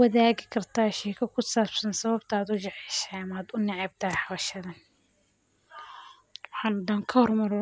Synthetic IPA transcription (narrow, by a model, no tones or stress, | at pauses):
wɐðaːɣɪkʰɐrt̪ʰaːʃiːkʰɐkʰʊsaːbsɐnsɐβɐbt̪ʰaːd̪ʊd͡ʒɛʕiːʃajɐmaːd̪ʊnɪʕɛb̚t̪ʰɐħɑβɐʃɐðɐn | tɑbħɑnd̪aːŋkʰɐhɔrmɐɾ